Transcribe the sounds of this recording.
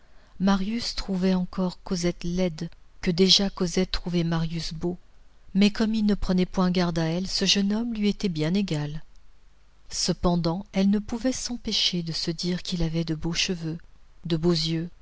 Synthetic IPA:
maʁjyst̪χuvɛɑ̃kʰɔʁkozɛt̪lɛd̪kəd̪eʒakozɛt̪ːχuvɛmaʁjysbomɛkɔmilnəpχənɛpwɛ̃ɡaʁd̪aɛlsəʒənɔmlɥiet̪ɛbjɛ̃neɡal | səpɑ̃d̪ɑ̃ɛlnəpuvɛsɑ̃peʃed̪əsəd̪iʁkʲilavɛd̪əboʃəvød̪əbozjø

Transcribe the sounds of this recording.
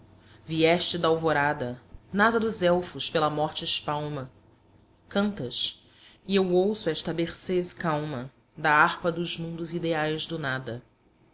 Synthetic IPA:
viɛʃt͡ʃɪd̪ɐawvoɾad̪ɐnazɐd̪ʊzɛwfʊʃpelɐmɔχt͡ʃɪɪʃpawmɐ | kɐ̃nt̪ɐs | iewowsʊɛʃt̪ɐbeχsezkawmɐ | d̪ɐaχpɐd̪ʊʒmũnd̪ʊzid̪eajzd̪ʊnad̪ɐ

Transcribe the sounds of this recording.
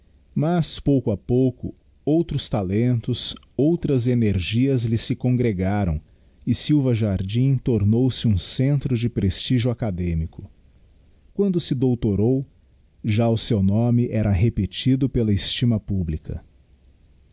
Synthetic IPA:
mɐspowkʊapowkʊ | owt̪ɾʊst̪alẽnt̪ʊs | owt̪ɾɐzeneɾʒiɐzlɪsɪkõɡɾeɡaɾɐ̰̃w̃ | ɪsiwvɐʒaɾd͡ʒĩt̪oɾnowsɪũsẽnt̪ɾʊd͡ʒɪpɾest͡ʃiʒʊakad̪ẽmikʊ̥ | kwɐ̃nd̪ʊsɪd̪owt̪oɾow | ʒaʊsewnõmɪʔɛɾɐɦepet͡ʃid̪ʊpelɐɪst͡ʃimɐpublikɐ̰

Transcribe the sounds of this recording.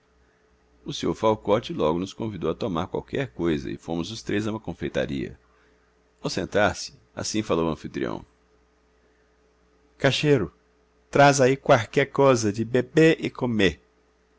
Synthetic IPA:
ʊseoɾfawkɔt͡ʃɪlɔɡʊnʊskõvid̪owɐt̪omaɾkwa̰wkɛɾkojzɐ̰ɪ̰fo̰mʊzʊst̪ɾezaũmɐkõfejt̪a̰ɾḭɐ̰ | awsẽnt̪aɾsɪ̥ | a̰sĩfalowɐ̃fit̪ɾḭɐ̰̃w̃ | kaʃeɾʊ | t̪ɾazaikwalkɛɾkozɐd͡ʒɪbebeɪkomeɾ

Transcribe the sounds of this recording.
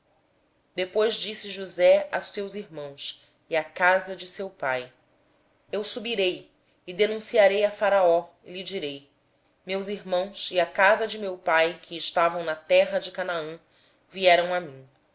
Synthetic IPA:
d̪epojzd͡ʒisɪʒuzɛastewziɾmɐ̃w̃s | iakazɐd͡ʒɪsewpaj | ewsubiɾej | ɪd̪enũsiaɾejafaɾaɔ | ɪlid͡ʒiɾej | mewziɾmɐ̃w̃siakazɐd͡ʒɪmewpajkʰɪːʃt̪avɐ̃w̃nɐt̪ɛɦɐd͡ʒɪkanaɐ̃ | viɛɾɐ̃w̃amĩ

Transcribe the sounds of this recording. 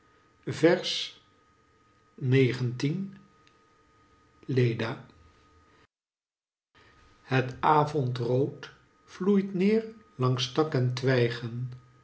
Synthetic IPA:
vɛɹs | nejχəntin | lejdaː | hətaːvɔntrowt | flujtnɪːɹlɑŋstɑkɛntʋɛjχən

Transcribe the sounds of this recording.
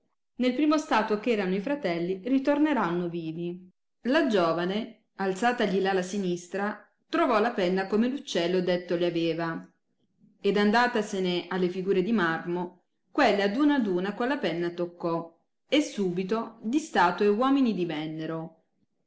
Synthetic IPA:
nelpɾiːmost̪aːt̪wokɛːɾanoifɾat̪ɛlːirit̪orneɾanːoviːvi | lad͡ʒɔːvane | alt̪saːt̪aʎilalasinist̪ɾa | t̪ɾovɔlapɛnːakomelut͡ʃːɛlːod̪et̪ːoleaveːva | ed̪and̪aːt̪aseneʔalːefiɡuːɾed̪imarmo | kwelːad̪uːnad̪uːnakwalːapɛnːat̪okːɔ | esːuːbit̪od̪ist̪aːt̪oewɔːminid̪ivɛnːeɾo

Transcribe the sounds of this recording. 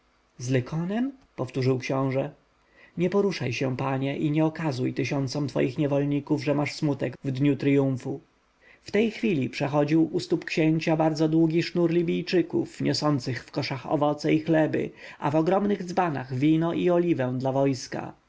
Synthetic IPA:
zlɛkʰɔnɛmpɔft̪uʐɘwkɕɔ̃w̃ʐɛ | ɲɛpɔɾuʂajɕɛ̃paɲɛʔiɲɛɔkazujt̪ɘɕɔnt̪sɔmt̪fɔ̰jixɲɛvɔlɲikuvʐɛmaʂsmut̪ɛɡvd̪ɲut̪ɾjũfu | ft̪ɛjxfʲilʲipʂɛxɔd͡ʑiwʔust̪upkɕeɲt͡ɕabaɾd̪zɔd̪wuɡʲiʂnuɾlʲibʲijt͡ʂɘkṵfɲʔɔsɔnt̪sɘxfkɔʂaxɔ̰vɔt̪sɛixlɛbɘ̰a̰vɔɡɾɔmnɘɣd̪zbana̰ɣvʲinɔʔiɔlʲivɛ̃w̃d̪lavɔjska̰

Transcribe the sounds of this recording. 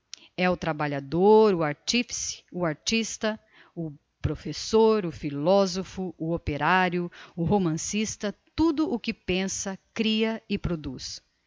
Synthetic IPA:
ɛʊt̪ɾabaʎad̪oɾʊaɾt͡ʃifi̥sɪ̥ʊaɾt͡ʃist̪ɐ | ʊ | pɾofesoɾʊfilɔzofʊʊopeɾaɾjʊʊɦomɐ̃sist̪ɐt̪ud̪ʊʔʊkɪpẽsɐkɾiɐɪpɾod̪us

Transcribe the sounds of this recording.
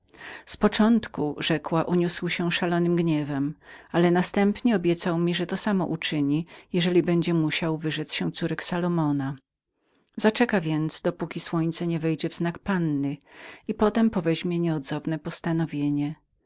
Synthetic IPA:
spɔt͡ʂɔnt̪kuʐɛkwaʔuɲuswɕɛʂalɔnɘmɡɲɛvɛmalɛnast̪ɛmpɲɛɔbʲjɛt̪sawmʲiʐɛt̪ɔsamɔʔut͡ʂɘɲijɛʐɛlʲibɛɲd͡ʑɛmuɕawvɘʐɛt̪sɕɛ̃t̪suɾɛksalɔmɔna | zat͡ʂɛkavʲjɛntd̪zd̪ɔpukʲiswɔɲt̪sɛɲɛvɛjd͡ʑɛvznakpanːɘipɔt̪ɛmpɔvɛʑmʲjɛɲɛɔd̪zɔvnɛpɔst̪anɔvʲjeɲɛ

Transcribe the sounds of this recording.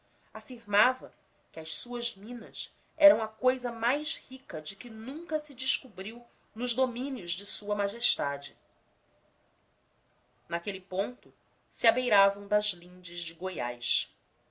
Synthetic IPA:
afiɾmavɐ | kɪɐʃsuɐzmĩnɐs | ɛɾɐ̃w̃ɐkojzɐmajʃhikɐd͡ʒɪkɪnũŋkɐsɪd͡ʒɪʃkubɾiw | nʊʒd̪omĩnjʊʒd͡ʒɪsuɐmaʒeʃt̪ad͡ʒɪ | nakelipõnt̪ʊ | sɪabejɾavɐ̃w̃d̪ɐzlĩnd͡ʒɪzd͡ʒɪɡoja̰jʃ

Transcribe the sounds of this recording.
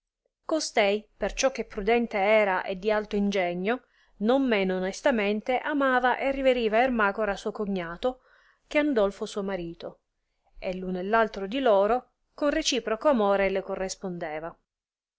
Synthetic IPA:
kost̪ɛjpert͡ʃɔk̟ːepːɾud̪ɛnt̪eɛːɾaʔḛd̪ːialt̪oind͡ʒɛɲːo | nomːeːnoːnest̪ament̪eʔamaːvaʔerːiveɾiːvaermaːkoɾasuokoɲːaːt̪o | k̟eand̪ɔlfosuːomaɾiːt̪o | elːunelːalt̪ɾod̪ilɔːɾo | konret͡ʃiːpɾokoamoːɾelekorːespond̪ɛːva

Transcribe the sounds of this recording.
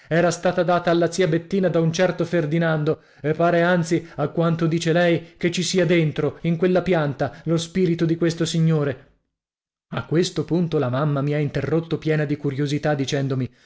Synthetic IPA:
ɛːɾast̪aːt̪ad̪aːt̪aːlːat̪siabet̪ːiːnad̪aunt͡ʃɛrt̪oferd̪inand̪o | epːaːɾeant̪siakːwant̪od̪iːt͡ʃelɛjket͡ʃːisiad̪ent̪ɾoiŋkwelːapjant̪alospiːɾit̪od̪ikwest̪osiɲːoːɾe | akːwest̪opunt̪olamamːamiaint̪erːot̪ːopjɛːnad̪ikuɾjozit̪ad̪ːit͡ʃɛnd̪omi

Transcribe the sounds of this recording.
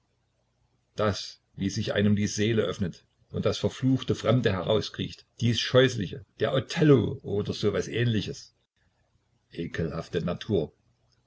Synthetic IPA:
d̥as | viːzɪçʔa̰ɪnəmdiːzeːləʔœfnət | ʔʊnt̚d̥asfɛɐfluːxtəfʁ̥ɛmdəɦɛʁa̰ʊskʁ̥ḭːçtd̥iːsʃɔʏslɪçəd̥eːɐʔotʰɛloʔoːdɐzoːvasʔɛːnlɪçəs | ʔeːkʰəlhaftənatʰuːɐ

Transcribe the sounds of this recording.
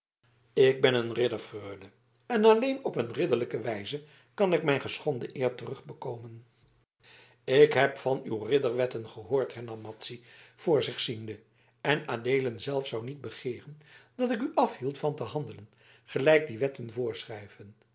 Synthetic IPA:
ɪɡ̚bɛnənrɪdəɹfrøːdə | ɛnɑlejnɔpənrɪdəɹləkəʋɛjzə | kɑnɪk̚mɛjnχəsχɔndəʔɪːɹtərɵχbəkowmən | ɪkɦɛpfɑnywrɪdəɹʋɛtənχəɦoːɹtɦɛɹnɑmːɑtsiv̥ʊːɹzɪχsində | ɛnaːdejlənzɛlˠfsawnid̚bəχɪːrənd̥ɑtɪk̬yʔɑfɦilˠtfɑntəɦɑndələn | χəlɛjk̚diʋɛtənvʊːɹsrɛjvən

